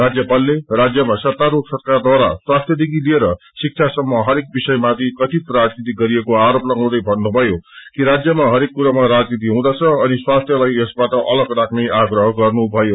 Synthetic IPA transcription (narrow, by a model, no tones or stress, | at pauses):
rad͡zjʌpalːerad͡zjʌmasʌt̪ːaɾoksʌrkard̪waɾaswast̪ʰjʌd̪ikilieɾʌ | sik̚t͡sʰasʌmːʌɦʌɾek̚bisʌjmat̪ʰikʌt̪iprad͡znit̪iɡʌɾiekoaɾoplʌŋɡaw̃d̪ʌjbʱʌnːubʱʌjokiɾad͡zjʌmaɦʌɾekːuɾamaɾad͡znit̪̬iɦũd̪at͡sʰʌʌniswast̪ʰjʌlajesbaʈʌʔʌlʌɡrakʰneʔaɡrʌɦʌɡʌrnubʱʌjo